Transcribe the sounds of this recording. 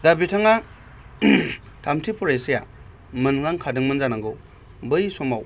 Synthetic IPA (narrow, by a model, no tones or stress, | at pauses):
dabitʰaŋa | tʰamtʰipʰɔɾajsija̰ | mɯnŋɾaŋkʰadɯŋmɯnzanaŋɡo | bɯjsɔmaw